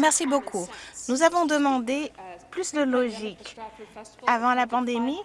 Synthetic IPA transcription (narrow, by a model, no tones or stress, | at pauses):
mɛʁsibokʰunuzavɔ̃d̪əmɑ̃d̪eplysd̪əlɔʒik | avɑ̃lapɑ̃d̪emi